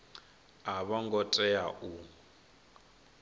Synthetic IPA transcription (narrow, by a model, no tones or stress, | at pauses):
aβaŋɡɔtʼɛaʔu